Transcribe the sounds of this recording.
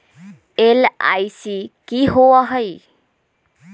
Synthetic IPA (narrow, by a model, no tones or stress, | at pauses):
ela̰jsikiɦowaɦʌj